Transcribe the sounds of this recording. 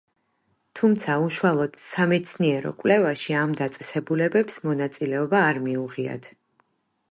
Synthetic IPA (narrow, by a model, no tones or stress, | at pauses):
t̪ʰumt̪sʰauʃualˠɔd̪̥samɛt̪sʰniɛɾɔ̰kʼwlɛvaʃiamd̪at̪sʼɛsɛbulɛbɛpsmɔnat̪sʼilɛɔbaːɾmiuʁia̰t̪ʰ